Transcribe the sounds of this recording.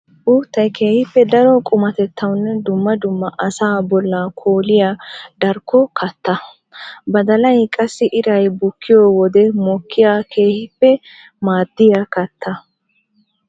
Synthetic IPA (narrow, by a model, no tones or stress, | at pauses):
ʔuːt̪ːɐjkʰe̞ːhɪpːɛd̪ɐɾɔkʼʊmɐt̪ɛt̪ʰːɐwnːɛd̪ʊmːɐd̪ʊmːɐʔɐsaːbɔlːakʰoːlɪjad̪ɐɾkːɔkʰɐt̪ːɐ | bɐd̪ɐlɐjkʼɐsːɪʔɪɾɐjbʊkʰːɪjɔːwɔd̪ɛmɔkʰːɪjaːkʰe̞ːhɪpːɛ | maːd̪ːɪjakɐt̪ːɐ